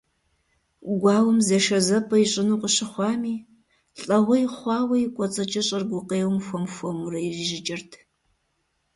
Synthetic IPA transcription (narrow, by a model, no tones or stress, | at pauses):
ɡʷɑːwɐmzɐʃɐzɐpʰʼɐjiɕʼɪnuːqəɕɪχʷɑːmiː | ɬʼɐʁɐjɪχʷɑːwɐjɪkʷʼɔt͡sʼɐt͡ʃʼɐɕʼɐrɡʷʊqeːwmxʷɔmxʷɔmurɐjɪʒiʒɪt͡ʃʼɐrtʰ